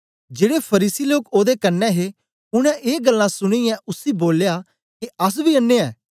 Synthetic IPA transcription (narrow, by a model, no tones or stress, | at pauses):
d͡ʒeːɽepʰɐɾiːsiloːkoːd̪ekɐnːɛɦe | ʊɽ̃ɛ̃ʔeːɡəlːãsʊɽ̃ijɛ̃ʔʊsiːboːlja | keɐs̬biɐnːeɛː